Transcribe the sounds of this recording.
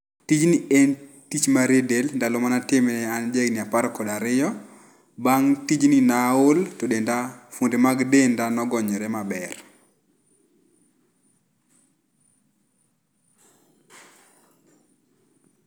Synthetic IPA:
tid͡ʒnien | tit͡ʃmaɾedelndalomanatɪmnɛand͡ʒeɡnɪapaɾkɔdaɾɪjɔ | baŋtid͡ʒninaʊltɔdendafundemaɡdendanɔɡɔɲɛɾɛmabɛr

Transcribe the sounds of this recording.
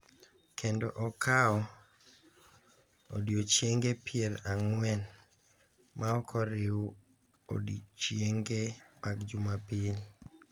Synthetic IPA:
kʰendoʔɔkʰaɔ | o̰djot͡ʃjeŋɡepɪeɾaŋwɛn | maɔkʰɔɾɪu | o̰dit͡ʃjeŋɡemakd͡ʒumapɪl

